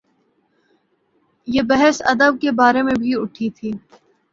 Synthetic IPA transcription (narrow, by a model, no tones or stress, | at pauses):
jeːbɛɦɛsɐ̰d̪əb̚kebaːɾemẽbʱiʊʈʰit̪ʰiː